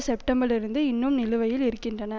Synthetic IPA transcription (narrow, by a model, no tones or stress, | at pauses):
sɛpʈɐmbɐɾɪɾɯnd̪ɯɪnːʊmnɪlɯʋɐjɪlɪɾɯkːɪndrɐnɐ